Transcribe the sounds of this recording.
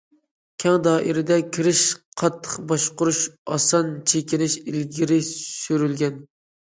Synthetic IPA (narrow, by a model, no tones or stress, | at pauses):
kʲʰɛŋd̪ɑːʔiɾɪd̪ɛkʲʰiɾɪʃqʰɑt̪ʰːə̥qbɑʃqʊɾuʃɑ̰sɑnt͡ʃʰekʲinɪʃilɡʲiɾɪʃyɾylɡʲɛn